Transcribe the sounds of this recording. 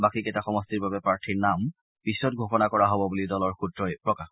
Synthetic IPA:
bakiketaxɔmɔstiɹbabɛpɹaɹtʰiɹnam | pisɔt̚ɡʱoxɔnakɔɹaɦɔbɔbulidɔlɔɹxutɹɔjpɹɔkax

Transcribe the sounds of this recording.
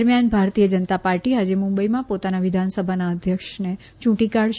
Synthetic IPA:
ɾmjanbʱaɾt̪ijəd͡ʒənət̪apaɾʈiɦad͡ʒemũmbəimãpot̪anaʋɪd̪ʱansəbʱanaəd̪ʱjəkʃne | t͡ʃũʈikaɽʃ

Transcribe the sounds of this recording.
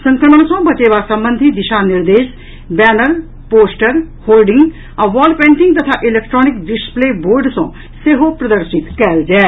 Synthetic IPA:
sə̃ŋkɾəməɳ̃sõbɐt͡ʃeːʋaːsə̃mbə̃nd̪ʱid̪ɪʃaːnɪɾd̪eːʃ | bɛːnəɾ | poːsʈəɾ | hoːlɖɪ̃ŋɡ | ɐʋɔːlpẽːɳʈɪŋɡt̪ɐt̪ʰaːʔɪleːk̚ʈɾɔːnɪk̚ɖɪspleːboːɾɖsõː | seɦopɾɐd̪əɾʃɪt̪kɛld͡ʒɛː

